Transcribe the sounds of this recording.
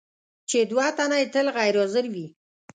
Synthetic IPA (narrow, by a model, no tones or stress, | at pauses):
t͡ʃed̪wat̪anaet̪əlɣajɾozəɾwi